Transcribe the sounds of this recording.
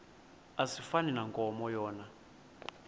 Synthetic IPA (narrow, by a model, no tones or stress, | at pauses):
asifaninaŋkʼɔmɔjɔːna